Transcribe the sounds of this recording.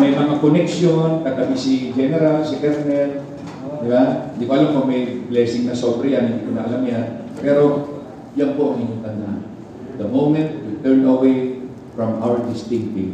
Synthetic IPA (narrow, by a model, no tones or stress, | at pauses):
mɐjmɐŋakonɛkʃonk̪aɡ̪ɐbisid͡ʒɛnɛɾalsiɡɛɾnɛl | d̪ɪbahɪnd̪iːkoʔɐlamkomɐjblɛːsɪŋnɐsoːbɾɐjanhɪnd̪ikonɐʔɐlamjanpɛːɾo̞ | jaŋpoʔaŋʔiɲʊŋt̪ɐna | d̪ɐmowmɛ̃nt̪̚wit̪ɛɹnɐwej | fɹɐmʔawəɹd̪ɪst̪ɪ̃ŋkɪ̃ŋ